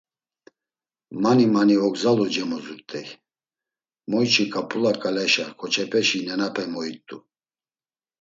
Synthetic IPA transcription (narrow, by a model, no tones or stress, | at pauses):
manimaniɔɡzalɔd͡ʒɛmɔzuɾt̪ʼɛj | mɔjt͡ʃʰikʼapʼulakʼalɛʃakʰɔt͡ʃʰɛpʰɛʃinɛnapʰɛmɔit̪ʼu